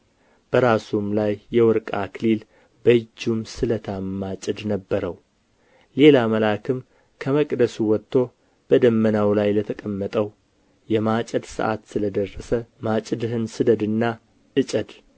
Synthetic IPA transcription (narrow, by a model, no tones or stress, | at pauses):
b̥əɾasumlajːɛwɔɾkʼakʰlil | bəd͡ʒːumsɨlət̪ʰamːat͡ʃʼɪd̪nəbːəɾəw | le̞laməlakʰɨm | kʰəməkʼd̪əsuwɔt̪ʰːo̞ | b̥əd̪əmːənawlajlət̪ʰəkʼəmːət̪ʼəw | jɛmat͡ʃʼəd̪sɨ̰ʔa̰t̪sɨləd̪ərːəsəmat͡ʃʼɨd̪hɨnsɨd̪əd̪ɨnːa | ʔɨt͡ʃʼəd̪